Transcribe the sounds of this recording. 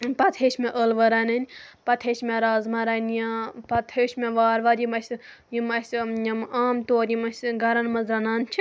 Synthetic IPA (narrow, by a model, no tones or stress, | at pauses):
pɐt̪ʰeːʃmẽʔəlʋɐɾɐnɐnʲpɐt̪ʰeːʃmʲeɾaːzmɐɾɐnjapɐt̪ʰeːʃmeʋaːɾʋaɾjimɐsʲ | jimɐsʲjɐmaːmt̪oːɾjimɐsʲɡɐɾɐnmɐzɾɐnaːnt͡ʃʰi